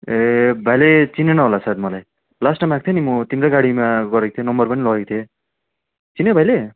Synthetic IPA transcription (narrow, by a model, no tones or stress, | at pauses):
ebʱajlet͡sinenʌɦolasad̪̚mʌlaj | lasʈnamak̚t̪ʰjenimʌt̪imraɡaɽimaɡʌɾek̚t̪ʰjenʌmbʌrpʌnilʌɦekt̪ʰje | t͡sinebʱajle